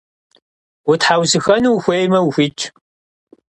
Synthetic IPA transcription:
wʊtħawzɨxɐnuːxʷejmɐwxʷit͡ʃʰʼ

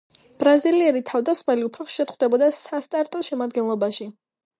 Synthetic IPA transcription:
b̥ɾaziliɛɾit̪ʰavd̪asχmɛliupʰaχʃɛt̪χwd̪ɛbɔd̪asast̪ʼaɾt̪ʼɔʃɛmad̪ɡɛnlˠɔbaʃi

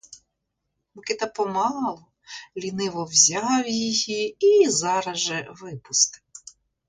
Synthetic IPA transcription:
mʊkɪt̪ɐpɔmɑlˠɔ | lʲinɪʋɔwzʲɑwjijiizɑɾɐʒɛʋɪpʊst̪ɪ̥

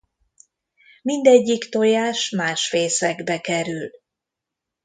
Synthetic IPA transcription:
mind̪ɛɟːikt̪o̞jaːʃmaːʃfeːsɛɡbɛkɛɾyl

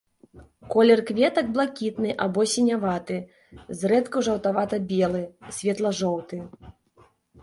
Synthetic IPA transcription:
kɔlʲɛrkvʲɛt̪ɐɡ̚blˠakʲit̪nɨʔabɔsʲɛnʲavat̪ɨ | zrɛt̪kuʐɐwt̪avat̪ɐbʲɛlˠɨsʲvʲɛt̪lˠɐʐɔwt̪ɨ

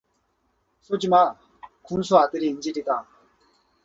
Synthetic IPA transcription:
sod͡ʑima | kumsʰoadɯɾind͡ʑiɾita

